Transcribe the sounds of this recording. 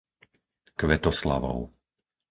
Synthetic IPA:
kʋɛt̪ɔsla̰ʋɔ̰ʊ

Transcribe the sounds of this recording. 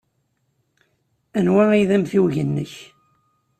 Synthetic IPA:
ænwæiðæmθiwʝənːəç

